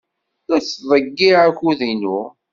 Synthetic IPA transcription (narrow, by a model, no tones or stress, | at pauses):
æɾθðˤəɡːiʕæçuðinu